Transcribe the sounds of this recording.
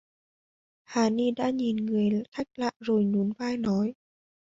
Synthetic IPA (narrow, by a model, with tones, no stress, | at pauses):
haː˨˩ni˧ɗa̰ː˧˥ɲi˨˩nŋɨ˨˩əjxʰa˦˥jk̚la̰ː˧˨zo˨˩jɲu˨˦nvaː˧jnɔ˨˦j